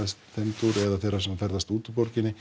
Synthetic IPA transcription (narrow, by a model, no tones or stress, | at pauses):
st̪θɛnt̪uɾɛðaθejrːasɛmːafɛɾðast̪uːt̪poɾcɪnːɪ